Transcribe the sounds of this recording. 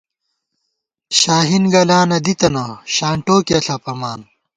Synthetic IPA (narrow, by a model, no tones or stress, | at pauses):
ɕaːɦinɡɐlaːnɐd̪it̪ɐnɐɕaːɳʈoːkeɐɬɐpɐmaːn